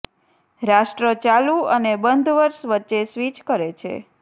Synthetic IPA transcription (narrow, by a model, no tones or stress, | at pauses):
ɾaʃʈɾət͡ʃaluənebənd̪ʱʋəɾʃʋətːʃesʋit͡ʃkəɾet͡ʃʰḛ